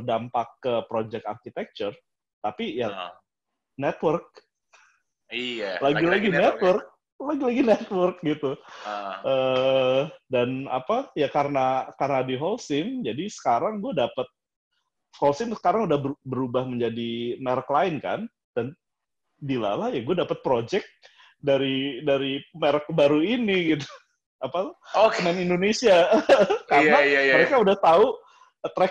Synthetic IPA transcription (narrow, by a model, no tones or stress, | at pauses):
dampakːəpɾod͡ʒɛk̚t̪a̰rkit̪ɛk̚t͡ʃʊr | t̪apija | nɛt̪wərk̚ | ilaɡilaɡinɛt̪wərk̚ | laɡilaɡinɛt̪wərk̚ɡit̪u | ʔə | dana̰pajakaɾənakarənadiɦɔlsɪnd͡ʒadisə̥kaɾaŋɡuadapət̪̚ | holsɪnsə̥kaɾaŋudahbəbəɾubahməɲd͡ʒadimeɾəklaɪnka̰n | d̥an | bila̰lahjaɡuadapat̪̚pɾod͡ʒɛk̚ | daɾidaɾimeɾək̚baɾuiniɡit̪u̥ | apaənanindonesiakaɾənaaəɾekaudaht̪au | t̪ɾɛk̚